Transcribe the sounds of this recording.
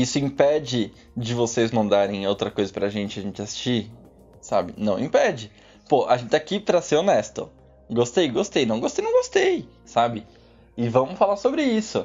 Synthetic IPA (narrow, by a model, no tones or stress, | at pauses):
isʊĩpɛd͡ʒɪ | d͡ʒɪvosezmɐ̃nd̪aɾẽj̃owt̪ɾɐkojzɐpɾɐʒẽnt͡ʃɪɐʒẽnt͡ʃɪasi̥st͡ʃi | sa̰bɪ̰nɐ̃w̃ĩpɛd͡ʒɪ | poʔa̰ʒẽnt͡ʃɪt̪akipɾɐseɾonɛst̪ʊ̰ | ɡost̪ejɡost̪ejnɐ̃w̃ɡost̪ejnɐ̃w̃ɡost̪ej | sabɪ | ɪvɐ̃mʊfalaɾsobɾɪisʊ